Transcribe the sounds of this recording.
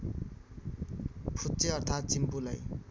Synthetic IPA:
pʰut̪t͡seʌrt̪ʰat̪̚t͡simpulaj

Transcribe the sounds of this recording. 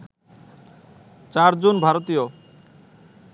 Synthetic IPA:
t͡ɕaɾd͡ʑonbʱaɾot̪ijo

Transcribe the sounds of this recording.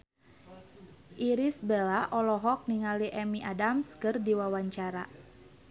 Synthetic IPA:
ʔiɾisbɛlaʔɔlɔɦɔk̚niŋaliʔɛmiʔadamskɨrdiwawaɲt͡ʃaɾa

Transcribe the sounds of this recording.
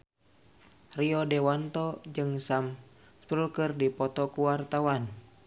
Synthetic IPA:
riɔdɛwant̪ɔd͡ʒɨŋsam | spɾulkɨrdipɔt̪ɔkuwart̪awan

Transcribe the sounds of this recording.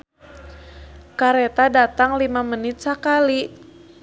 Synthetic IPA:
kaɾɛt̪adat̪aŋlimamənɪt̪̚sakali

